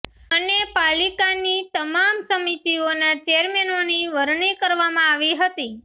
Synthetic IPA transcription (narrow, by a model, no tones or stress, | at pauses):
ənepalikanit̪əmamsəmit̪ionat͡ʃeəɾmenoniʋəɾɳikəɾʋamãaʋiɦət̪i